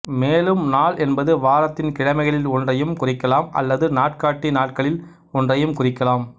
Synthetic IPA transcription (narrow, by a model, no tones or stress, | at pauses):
meːlɯmnaːɭʔɛnbɐðɯʋaːɾɐt̪ːɪnkɪɻɐmɐɪɣɐɭɪlɔndrɐjɯmkʊrɪkːɐlaːmʔɐ̰lːɐðɯnaːʈkaːʈːinaːʈ̚kɐɭɪl | ɔndrɐjɯmkʊrɪkːɐlaːm